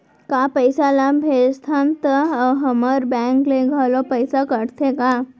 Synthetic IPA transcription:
kapəjsalabʱet̪ʰant̪əɦəməɾbɛ̃ŋkleɡʱalopəjsakəɽt̪ʰeka

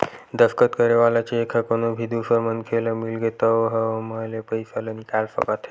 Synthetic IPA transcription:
d̪əfkət̪kəɾeʋalat͡ʃeːkʰakonobʱid̪ʱusəɾmənkʰeləmilɡet̪əʋɦəmalepəjsalənikalfə̰kat̪ʰe

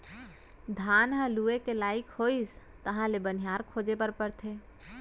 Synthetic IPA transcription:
d̪ʱanɦə̃luekelaɪkhois | t̪əɦãlebənijaɾkʰod͡ʒepəɾpəɾt̪ʰe

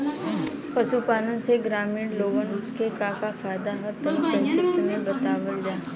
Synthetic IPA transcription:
pɐʃupaːnə̃nseɡɾaːmiːɽloːɡənkekãːkafʰaːjd̪aɦət̪əsə̃nt͡ʃɪt̪mẽbɐt̪aːʋəld͡ʒaː

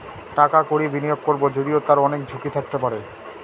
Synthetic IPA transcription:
ʈakakoɾibinijoɡ̚koɾbod͡ʑod̪iot̪aɾɔnek̚d͡ʑʱukit̪ʰak̚t̪epaɾe

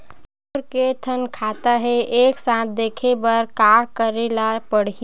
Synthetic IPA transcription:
ɾket̪ʰənkʰaːt̪aɦɛeːksãt̪̚ʰd̪eːkʰebəɾkakəɾelapəɽi

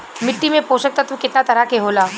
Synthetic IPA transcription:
mɪʈːimẽpoːʃək̚t̪at̪ũkɪt̪nat̪ɐɾakeɦoːlaː

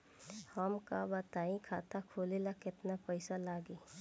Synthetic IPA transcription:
hɐmkabɐt̪aːĩkʰa̰ːt̪akʰoːleːlakɪt̪napɐɪsalaːɡiː

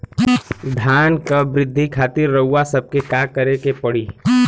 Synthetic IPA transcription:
d̪ʱjaːnkabɾɪd̪ʱːikʰaːt̪ɪɾːəɦuasɐb̚kekaːkɐɾekepɐɽiː

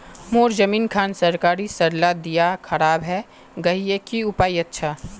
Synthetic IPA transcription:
moːɾzɐmiːnkʰaːnsɐɾkaːɾisɐɾlad̪ijakʰɐɾaːbɦɛ | ɡɐɦiekiʊpaːiɐtːʃʰaː

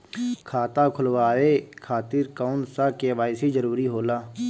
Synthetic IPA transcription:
kʰaːt̪aːkʰʊlʋaːweːkʰaːt̪iɾkaːnsaːkeʋaːɪsid͡ʒəɾuːɾiɦoːlaː

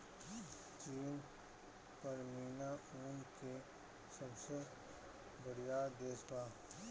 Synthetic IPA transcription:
t͡ʃiːn | pɐɾmiːnauːnke | sɐbse | bɐɽijad̪eːsbaː

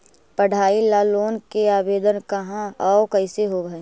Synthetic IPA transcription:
pəɽ̤aːilaːloːnkeaːbeːd̪ənkɐɦãɔːkəɪseɦoɡɐeː

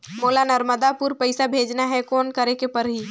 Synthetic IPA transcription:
moːlanəɾməd̪apʊɾpəɪsabʱeːd͡ʒnaɦɛkɔːnkəɾekepəɾɦiː

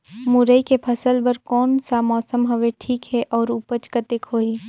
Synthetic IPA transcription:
mʊɾəikepʰɐsəlbɐɾkɔːnsamɔːsəmɦɐʋeʈʰiːkɦɛʔɔːɾupət͡ʃkət̪ɪkɦoːiː

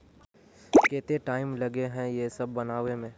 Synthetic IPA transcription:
keːt̪eʈaːɪmlɐɡeɦɛ̃jesɐbːɐnaːʋẽmẽː

